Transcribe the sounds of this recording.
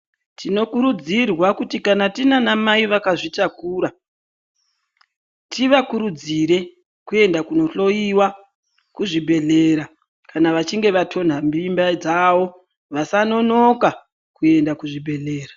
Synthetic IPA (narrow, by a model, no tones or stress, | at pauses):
tino̞kuɾud͡zirwakutikanatinanamaiʋakaʐitakuːɾa | tiʋakuɾud͡ziɾe̞ | kue̞ndakuno̞ɬo̞iwa | kuʐibʱe̞ɮe̞ːɾa | kanaʋat͡ʃiŋɡe̞ʋatʰo̞n̤ambimbad͡zaʋo̞ | ʋasano̞no̞ka | kue̞ndakuʐibʱe̞ɮe̞ːra